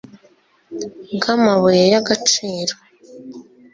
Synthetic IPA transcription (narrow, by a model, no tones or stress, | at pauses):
ɡamaβujejaɡat͡ʃiːɾo